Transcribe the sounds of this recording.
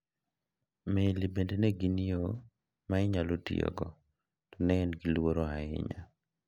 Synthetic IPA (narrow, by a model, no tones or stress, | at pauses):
melibendeneɡinio | maɪɲalotḭo̰ɡɔ̰ | tɔnɛnɡilwoɾoaɪ̰ɲa̰